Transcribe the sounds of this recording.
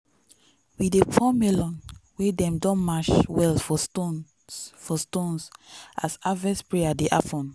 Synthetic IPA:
widepʰɔmɛlɔ̃nwedɛ̃mdɔ̃nmaʃwɛlfɔto | fɔstõnsasavɛspɹeadeʔafɔ̃n

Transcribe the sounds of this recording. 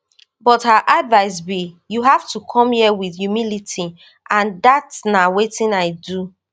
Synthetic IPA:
bɔthaʔadvaɪs̬bijuɦaftukʰɔ̃mhiwiθjumilitʰi | ʔãndatnawetĩnaɪdu

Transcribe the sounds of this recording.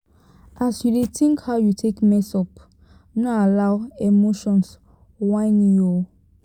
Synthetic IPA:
ʔasjudetʰĩŋkhaʊjutʰekmɛsɔp | nɔalaʊemoʃɔ̃ns | wãɪnjɔ

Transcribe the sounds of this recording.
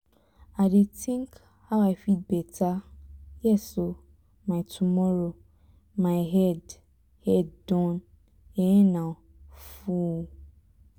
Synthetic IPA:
adetʰĩŋk | hawafit̚bɛtʰajɛso | mãɪtʰumɔɾo | mãɪɦɛd | hɛddɔ̃n | ɛɛnã | fu

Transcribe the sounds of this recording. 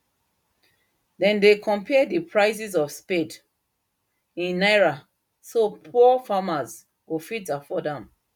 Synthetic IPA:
dɛ̃ndekʰɔ̃mpʰɛdipʰɹaɪsizɔfsped | ĩnːaɪɹa | sopʰɔfamaz | ɡofitafɔdãm

